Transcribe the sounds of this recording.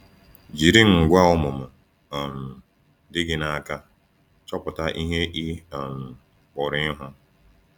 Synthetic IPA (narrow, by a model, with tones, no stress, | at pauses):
d͡ʒi˨ɾi˦ŋ̩˨ɡʷa˦ɔ˦mʊ˨mʊ˨ | ɔ˨n̩˨ | dɪ˦ɡɪ˦na˨a˨ka˦ | t͡ʃɔ˦pʊ˨ta˦ʔi˦ɦe˦ʔi˦˨n̩˨ | k͡pʊ˨ɾɪ˦ɦʊ˦